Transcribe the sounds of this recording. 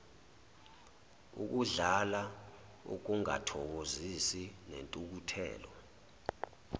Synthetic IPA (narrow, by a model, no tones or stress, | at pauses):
ṵk̬uɮala | ṵk̬uŋa̰tʰɔk̬ozisinḛntʼuk̬utʰɛ̰ːlɔ